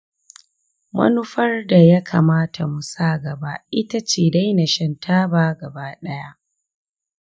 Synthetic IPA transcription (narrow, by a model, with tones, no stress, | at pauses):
mɐ̰˦nʊ˦ɸɐ˦rda˨ja˦kʰa̰ː˨maː˦tʰa˨mu˨saː˦˨ɡɐ˨ba̰˦ʔɪ˦ta˦t͡ʃeː˨da˦jna˨ʃɐ˨ntʰaː˦baː˦ɡɐ˨baː˦ɗɐ˦ja˦ʔ